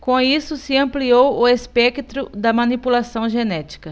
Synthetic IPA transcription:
kõisʊsɪɐ̃mpliowʊespɛkt̪ɾʊd̪ɐmɐ̃nipulasɐ̃w̃ʒenɛt͡ʃi̥kɐ

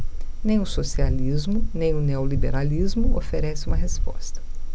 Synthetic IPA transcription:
nẽj̃ʊsosializmʊnẽj̃ʊneolibeɾalizmʊofeɾɛsɪũmɐɦespɔ̰st̪ɐ̥

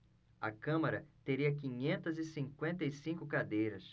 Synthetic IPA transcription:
ɐ̰kɐ̃mɐɾɐt̪eɾiɐk̬ĩɲẽnt̪ɐzɪsĩŋkwẽnt̪ɐisĩkʊkad̪ejɾɐs

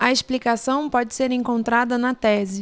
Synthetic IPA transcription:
ɐesplikasɐ̃w̃pɔd͡ʒɪseɾẽŋkõnt̪ɾad̪ɐnɐt̪ɛzɪ

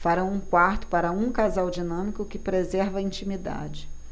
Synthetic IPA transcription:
faɾɐ̃w̃ũkwaɾt̪ʊ̥paɾɐũkazawd͡ʒinɐ̃mikʊkɪpɾezɛɾvɐĩnt͡ʃimid̪a̰d͡ʒɪ

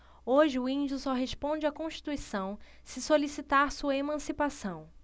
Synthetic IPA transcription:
oʒɪʊĩd͡ʒʊsɔɦeʃpõd͡ʒɪakõʃt͡ʃi̥t̪uisɐ̃w̃ | sɪsolisit̪aɾsuɐemɐ̃sipasɐ̃w̃

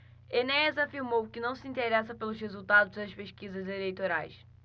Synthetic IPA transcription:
enɛzɐfiɾmowkɨnɐ̃w̃sɨĩnt̪eɾɛsɐpelˠuʃʁezulˠt̪aðuʒd̪ɐʃpeʃkizɐzelejt̪oɾa̰jʃ

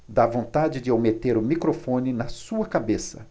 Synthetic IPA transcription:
d̪avõnt̪ad͡ʒɪd͡ʒɪawmet̪eɾʊmikɾofõnɪnɐsuɐkabesɐ̰

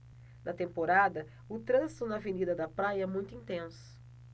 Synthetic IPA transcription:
nʔɐt̪ẽmpoɾad̪ɐ | ʊt̪ɾɐ̃zit̪ʊnɐvenid̪ɐd̪ɐpɾajɐɛmũj̃t̪ʊĩnt̪ẽsʊ̥

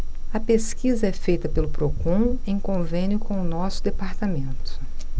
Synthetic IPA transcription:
ɐpeskizɐɛfejt̪ɐpelʊpɾokõẽj̃kõvẽnjʊkõʊnɔsʊd̪epaɾt̪amẽnt̪ʊ̥

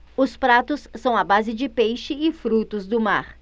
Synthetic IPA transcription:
ʊspɾat̪ʊsːɐ̃w̃ɐbazɪd͡ʒɪpejʃɪɪfɾut̪ʊzd̪ʊma̰ɾ

